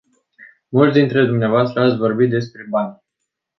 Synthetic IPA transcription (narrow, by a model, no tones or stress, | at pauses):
mult̪ʲd̪int̪ɾe̞d̪umneavoast̪ɾəat̪sʲvo̞rbit̪̚d̪e̞spɾe̞banʲ